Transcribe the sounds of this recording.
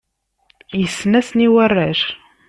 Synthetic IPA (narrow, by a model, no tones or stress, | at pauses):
jəsːnæsniwərːaʃ